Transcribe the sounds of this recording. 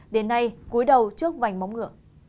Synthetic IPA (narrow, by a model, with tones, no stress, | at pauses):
ɗe˨˦nːa˧jku˨˦əjɗə˨˩wt͡ɕɨ˦˥ək̚va˨˩jŋ̟ma˨˦wŋ͡mŋɨ̰˧˩ə